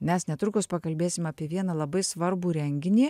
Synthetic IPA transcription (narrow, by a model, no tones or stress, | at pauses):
mʲɛsnʲɛt̪ɾʊkʊspɐkɐlʲbʲeːsʲɪmɐːpʲiɛʋʲiɛnɐlˠɐbɐɪsʋɐɾbuːɾʲɛŋʲɡʲɪnʲiː